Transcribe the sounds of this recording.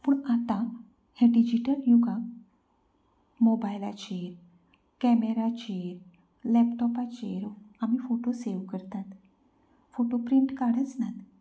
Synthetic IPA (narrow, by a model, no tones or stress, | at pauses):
puːɳat̪ã | hɛ̃ɖid͡ʑiʈəljuɡã | mobajla̰t͡ɕeɾ | kɛmeɾat͡ɕeɾ | lɛpʈɔpat͡ɕeɾamifoʈoseʋkəɾt̪at̪ | foʈopɾiɳʈkaɽət͡snat̪